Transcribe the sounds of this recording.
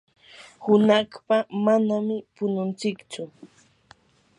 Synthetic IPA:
hʊnaχpamanamɪpʊnʊnt͡sɪkt͡ʃʊ

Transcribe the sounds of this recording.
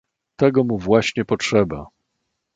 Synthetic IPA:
t̪ɛɡɔmuvwaɕɲɛpɔt͡ʂʂɛba

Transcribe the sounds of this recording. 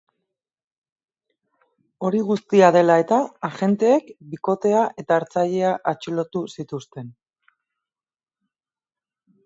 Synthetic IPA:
o̞ɾiɣ̞ust̪iaðe̞lae̞t̪aːʝe̞nt̪e̞ːkbiko̞t̪e̞aʔe̞t̪aːɾt͡saʎe̞aʔat͡ʃilo̞t̪usit̪ust̪e̞n

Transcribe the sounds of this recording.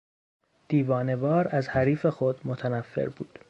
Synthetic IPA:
d̪̥iːvɒːne̞bɒːɾæzhæɾiːfe̞xod̪mot̪ʰænæfːḛɾbuːd̪̥

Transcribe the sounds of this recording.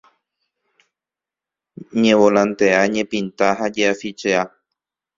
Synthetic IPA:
ɲẽwolãnt̪e̞aɲẽpĩnt̪aɦad͡ʒeafit͡ʃea

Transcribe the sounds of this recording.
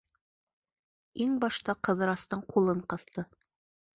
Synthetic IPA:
iŋbɑʃt̪ɑqɤ̆ðɤ̆ɾɑst̪ɤɴqʰulˠɤɴqɤ̆ðt̪ɤ

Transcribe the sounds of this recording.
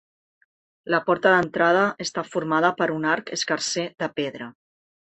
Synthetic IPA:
ləpɔɾt̪əðənt̪ɾað̞əʔəst̪afuɾmað̞əpəɾunaɾkəskəɾseðəpeðɾə

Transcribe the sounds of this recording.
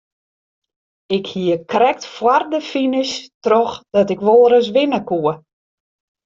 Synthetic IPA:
ɪkhiəkrɛk̚tfwardəfinɪstrɔxd̥ɔtɪkʋolˠəɾəs̬ʋɪnəkuə

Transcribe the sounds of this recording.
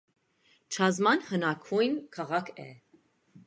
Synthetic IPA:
t͡ʃʰɑzmɑnhənɑkʰujnkʰɑʁɑkʰɛ̰

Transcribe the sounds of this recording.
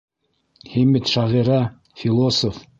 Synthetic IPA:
himɘt̪ʃɑʁiɾɑ | fʲilˠosof

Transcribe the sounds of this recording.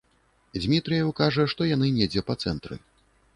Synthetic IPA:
d͡zʲmʲit̪ɾɨjɐwkaʐɐʂt̪ɔjanɨnʲɛd͡zʲɛpɐt̪sɛnt̪ɾɨ̰

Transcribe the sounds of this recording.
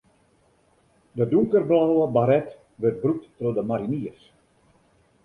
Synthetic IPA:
dəduŋkərblawəbaɾɛt | ʋərt̚bruk̚ttrodəmaɾiniərs

